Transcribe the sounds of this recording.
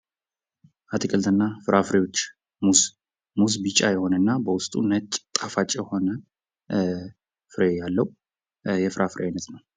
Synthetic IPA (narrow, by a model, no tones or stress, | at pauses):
ʔat̪ʰikʼəlt̪ʰɨnːafɨɾʔafɨɾewot͡ʃː | muz | muzbit͡ʃʼajɛho̞nənːabəwʊst̪ʼunət͡ʃʼt̪ʼafat͡ʃʼːjɛho̞nə | fɨɾejalːəw | jɛfɨɾʔafɨɾʔeajnːət̪nəw